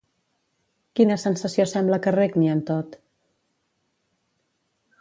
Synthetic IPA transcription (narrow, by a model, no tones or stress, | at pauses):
kinəsənsəsiosɛmbləkəreɡniənt̪ot̪